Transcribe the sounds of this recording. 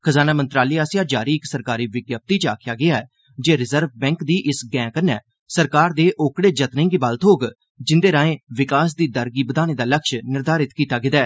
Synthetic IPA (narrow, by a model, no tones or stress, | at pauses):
kʰəzaːnaːmənt̪ɾaːliːaːsjaːd͡ʒaːɾiːɪksəɾkaːɾiːʋɪɡjəp̚t̪iːt͡ʃa̰ːkʰɪjaːɡɪaːɛː | d͡ʒeːɾɪzəɾʋbɛ̃ːŋkd̪iːʔɪsɡɛ̃ːkənɛː | səɾkaːɾd̪eːʔoːkɽeːd͡ʒət̪nɪ̃ːŋɡiːbaːlt̪ɦoːɡ | d͡ʒɪnd̪eːɾãːẽːʋɪkaːs̬d̪iːd̪əɾɡiːbəd̪aːneːd̪aːləkʃnɪɾd̪aːɾɪt̪kiːt̪aːɡɪd̪ɛː